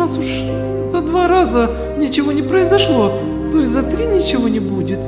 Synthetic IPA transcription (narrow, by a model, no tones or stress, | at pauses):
asʊʂ | zɐd̪vaɾazə | nʲɪt͡ɕɪvo̞nʲɪpɾəɪzɐʂlˠo̞ | t̪ojɪzɐt̪ɾʲinʲɪt͡ɕɪvo̞nʲɪbudʲɪt̪